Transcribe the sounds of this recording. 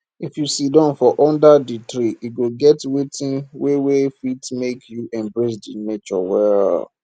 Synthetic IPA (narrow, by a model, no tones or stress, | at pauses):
ifjusidɔ̃nfɔʔɔ̃ndaditɾiʔiɡoɡɛtwetĩnwewefitmekʰjuʔɛ̃mbɹesdinet͡ʃɔ̰wɛl